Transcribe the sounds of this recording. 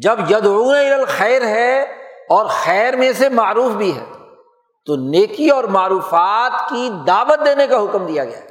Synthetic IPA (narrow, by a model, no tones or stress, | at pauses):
d͡ʒɐbjɐd̪uːeɪləlxɛːɾɦɛɔːɾxɛːɾmẽsemaːɾuːfbʱiɦɛ̰ː | t̪oneːkiɔːɾmaːɾuːfaːt̪kid̪aːʋət̪̚d̪eːnekaɦʊkmd̪ijaɡɐja̰ːɛ